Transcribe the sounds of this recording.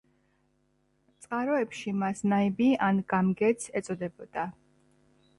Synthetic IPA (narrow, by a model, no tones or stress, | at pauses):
t̪sʼqʼaɾɔɛpʃimasnaibianɡamɡɛt̪sʰɛt̪sʼɔd̪ɛbɔd̪̥a